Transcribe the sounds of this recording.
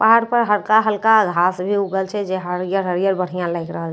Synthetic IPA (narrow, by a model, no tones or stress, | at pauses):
paɦaɽpəɾɦəɾkaɦəlkaɡʱasbʱiuɡəlt͡ʃʰɛd͡ʒeɦəɾijəɾɦəɾijəɾbəɽ̤ijãlaɪkɾəɦəl